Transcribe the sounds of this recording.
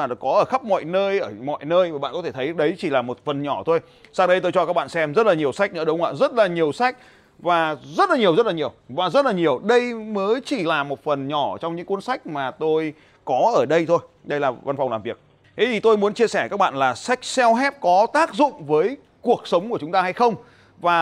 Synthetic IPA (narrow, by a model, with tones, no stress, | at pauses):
kɔ˨˦ʔəː˧˩xə˦˥p̚mɔ̰˧˨jnəː˧jʔəː˧˩mɔ̰˧˨jnəː˧jvaː˨˩ɓa̰˧˨nkɔ˨˦t̪ʰe˧˩t̪ʰə˨˦jɗə˨˦jt͡ɕi˧˩laː˨˩mo˨˩t̚fə˨˩nɲɔ˧˩t̪ʰo˧j | saː˧ŋɗə˧jt̪o˧jt͡ɕɔ˧kaː˦˥k̚ɓ̰a̰ː˧˨nsɛ˧mzə˦˥t̚laː˨˩ɲi˨˩əwsa˦˥jk̟̚nɨ̰˧˥əɗʊ˨˦ŋ͡mʔa̰ː˧zə˦˥t̚laː˨˩ɲi˨˩əwsa˦˥jk̚ | vaː˨˩zə˦˥t̚laː˨˩ɲi˨˩əwzə˦˥t̚laː˨˩ɲi˨˩əwvaː˨˩zə˦˥t̚laː˨˩ɲi˨˩əwɗə˧jməː˨˦jt͡ɕi˧˩laː˨˩mo˨˩t̚fə˨˩nɲɔ˧˩t͡ɕɔ˧ŋ͡mɲɨ̰˧˥ŋku˧˦nsa˦˥jk̟̚maː˨˩t̪o˧j | kɔ˨˦ʔəː˧˩ɗə˧jt̪ʰo˧j | ɗə˧jlaː˨˩va˧nfa˨˩wŋ͡mlaː˨˩vi˨˩ək̚ | t̪ʰe˨˦t̪ʰi˨˩t̪o˧jmu˨˦ənt͡ɕi˧əsɛ˧˩kaː˦˥k̚ɓa̰ː˧˨nlaː˨˩sa˦˥jk̟̚sɛ˧wɦɛ˦˥p̚kɔ˨˦t̪aː˦˥k̚zʊ̰˧˨ŋ͡mvəː˨˦j | ku˨˩ək̚sə˨˦wŋ͡mku˧˩ət͡ɕʊ˨˦ŋ͡mt̪aː˧ha˧jxə˧wŋ͡m | vaː˨˩